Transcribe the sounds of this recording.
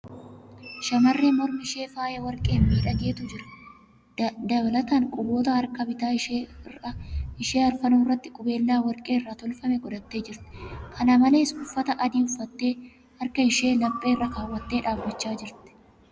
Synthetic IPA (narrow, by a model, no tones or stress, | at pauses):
ʃɐmɐrːeːmɔɾmɪʃe̞ːfaːjɐwɐɾkʼe̞ːmmiːᶑɐɡe̞ːt̪ʊd͡ʒɪɾɐ̥ | d̪ɐβɐlɐt̪aːŋkʼʊbo̞ːt̪ɐɐɾkɐbɪt̪aːrɐɪʃeːɐɾfɐnuːɪrːɐt̪ːɪkʼʊbe̞ːlːaːwɐɾkʼeːɪrːaːt̪ɔlfɐmɛɡɔd̪ɐt̪ːe̞ːd͡ʒɪɾt̪ɪ̥kʰɐnamɐle̞ːɪsɡʊfːɐt̪ɐʔɐd̪iːʊfɐt̪ːeː | hɐɾkɐɪʃe̞ːlɐpʼːe̞ːrːɐkaːwːɐt̪ːeːᶑaːfbɐt͡ʃːaːd͡ʒɪɾt̪ɪ̥